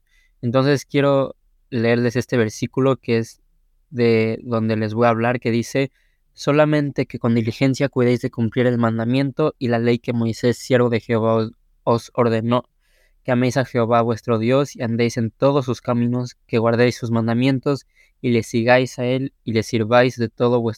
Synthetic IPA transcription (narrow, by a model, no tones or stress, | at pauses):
e̞nt̪o̞nse̞skje̞ɾo̞ | le̞eɾle̞se̞st̪e̞β̞e̞ɾsikulo̞keez | ðe̞ðo̞nd̪e̞le̞zβo̞jaβ̞laɾke̞ðise̞ | so̞lamẽ̞nt̪e̞ke̞ko̞nd̪ilixe̞nsjakwiðejzðe̞kumpliɾe̞lmãnd̪amjẽ̞nt̪o̞ilale̞jke̞mo̞jse̞sːje̞ɾβo̞ðe̞xeoβa | oso̞ɾðe̞no̞ | keame̞jsaxe̞o̞βaβwe̞st̪ɾo̞ðjo̞siand̪ejse̞nt̪o̞ðo̞s̬ːuskamĩno̞ske̞ɣwaɾðejsːuzmãnd̪amjẽ̞nt̪o̞s | ile̞siɣajsae̞lile̞siɾβajzðe̞t̪o̞ðo̞βwes